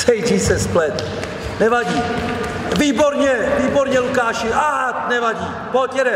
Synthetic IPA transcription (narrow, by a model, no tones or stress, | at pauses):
sɛjd͡ʒisɛsplɛt̪ | nɛvaɟiː | viːboɾɲɛviːboɾɲɛlukaːʃɪʔaɦanɛvaɟiː | bot̪jɛɾɛ